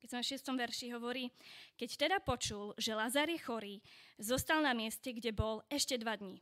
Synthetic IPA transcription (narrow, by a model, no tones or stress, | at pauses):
kɛzɛmfʃɪɛst̪ɔmʋɛɾʃiɦɔʋɔɾiːkɛct̪ɛd̪apɔt͡ʃulʒɛlazaɾjɛxɔɾiːzɔst̪alnamɪɛscɛɡɟɛbɔlɛʃcɛd̪ʋad̪ɲi